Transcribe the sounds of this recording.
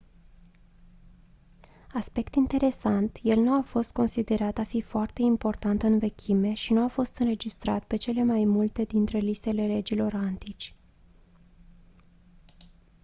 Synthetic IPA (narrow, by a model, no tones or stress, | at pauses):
aspe̞kt̪int̪e̞ɾe̞sant̪je̞lnuafo̞st̪̚ko̞nsid̪e̞ɾat̪afifoart̪e̞impo̞rt̪ant̪ɨnve̞kʲʰime̞ʃinuafo̞st̪ɨnɾe̞d͡ʒist̪ɾa̰t̪pe̞t͡ʃe̞le̞majmult̪e̞d̪int̪ɾe̞list̪e̞le̞le̞d͡ʒilo̞ɾant̪it͡ʃʲ